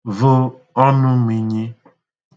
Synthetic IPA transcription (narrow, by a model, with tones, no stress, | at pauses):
vʊ˦ | ɔ˦nʊ˦mi˨ɲi˦